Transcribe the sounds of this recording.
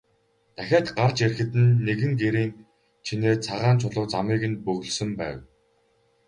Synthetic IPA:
t̪æxʲaːt̪ɢar̥t͡ɕerxɘ̆t̪ɘ̆nːeɣɘ̆ŋɡeɾiːŋ | t͡ɕʰineːt͡sʰaʁaːnt͡ɕʰʊɮə̆wt͡samiːɣɘ̆npɵɣɵ̆ɮsɵ̆mpæ̰ːw

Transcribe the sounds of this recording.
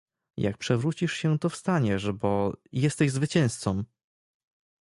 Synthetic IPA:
ja̰k̚pʂɛvɾut͡ɕiʂɕɛt̪ɔfst̪aɲɛʂbɔjɛst̪ɛʑzvɘt͡ɕɛ̃st̪sɔm

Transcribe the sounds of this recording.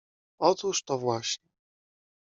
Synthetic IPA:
ɔt̪uʂt̪ɔvwaɕɲɛ

